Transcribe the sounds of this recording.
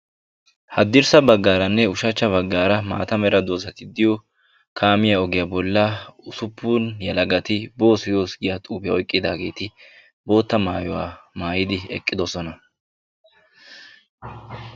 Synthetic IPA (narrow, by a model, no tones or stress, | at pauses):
hɐd̪ːɪɾsɐbɐɡːaːɾɐnːɛʊʃɐt͡ʃːɐβɐɡːaːɾɐma̰ːt̪ɐmɛɾɐd̪o̞ːsɐt̪ɪd̪ɪjɔ | kʰaːmɪjaɔɡɪjabɔlːɐʊsʊpʰːunjɐlɐɡɐt̪ɪbo̞ːsɪjo̞ːsɡɪjat̪ʼuːpɪjɐɔjkʼːɪd̪a̰ːɡe̞ːt̪ɪ | bo̞ːt̪ːɐmaːjɔwa̰ːmaːjɪd̪ɪɛ̰kʼːɪd̪ɔsɔnɐ